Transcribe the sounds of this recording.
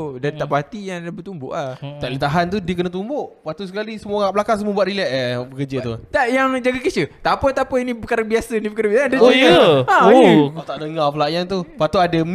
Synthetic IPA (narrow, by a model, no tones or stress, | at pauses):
dant̪aʔpaat̪ijaŋlabət̪umbʊ̰ʔlat̪aʔlət̪aɦant̪udiəkənət̪umbʊʔpat̪us̬əkalisəmuaabəlakaŋsəmuəbuaʔ̪ɾilɛʔabəkəd͡ʒət̪ut̪aʔjaŋd͡ʒaɡakit͡ʃət̪apət̪apəinĩbəkaɾaŋbiasənibəkaɾabiandojəãot̪aʔdəŋaflaʔjaŋt̪upat̪uadəm